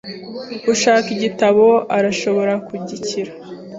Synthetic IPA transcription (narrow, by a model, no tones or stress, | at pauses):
kuʃaːkiɟitaβo̞aɾaʃo̞βo̞ɾakuɟiciɾa